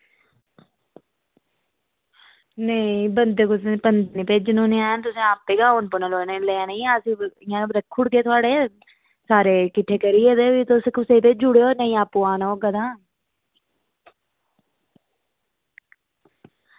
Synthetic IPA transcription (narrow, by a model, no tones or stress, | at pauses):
nəĩbənd̪eːkʊsbənd̪eniːpeːd͡ʒnũːnĩaːant̪ʊsẽːaːpːeːɡaːʊnpənãːloːnelɛːaneĩaəsĩːɪjãːɾəkʰːʊɽkeːt̪ʰʊaːɽeː | saːɾeːkɪʈʰːeːkəɾieːt̪eːʋiːt̪oskʊsẽt̪eːd͡ʒʊɽeːoːnəĩːaːpːuːaːnooːkəd̪ãː